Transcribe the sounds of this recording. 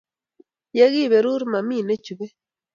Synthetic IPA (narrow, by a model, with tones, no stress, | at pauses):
je˦ɣi˦˨be˨ɾu˦ɾma˨mi˦˨ne˦t͡ʃu˨be˦